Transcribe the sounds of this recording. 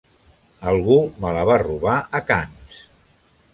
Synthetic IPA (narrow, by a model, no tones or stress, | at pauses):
əlˠɣumələβaruβaəkans